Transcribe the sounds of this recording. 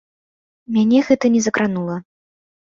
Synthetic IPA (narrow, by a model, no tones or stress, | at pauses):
mʲanʲɛɣɛt̪ɐnʲɛzɐkɾanulˠɐ